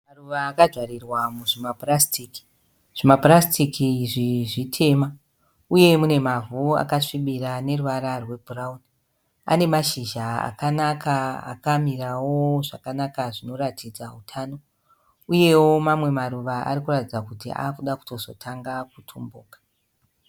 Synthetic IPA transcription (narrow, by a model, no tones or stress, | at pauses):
maruʋaːkaʐwaɾirwamuʐimaprastiːki̥ | ʐ̥imaprastikiʐiʐitʰe̞ːma | uje̞mune̞mavua̰kaʂiɓirane̞ruʋaɾarwe̞bʱurauni | a̰ne̞maʃiʒaa̰kanakʰaa̰kamirawo̞ʐakanakaʐino̞ɾatʰid͡zautʰaːno̞ | uje̞wo̞mamwe̞maruʋaa̰ɾikuratid͡zakutia̰kuɗaku̥to̞zo̞tʰaŋɡakutʰumbuːkḁ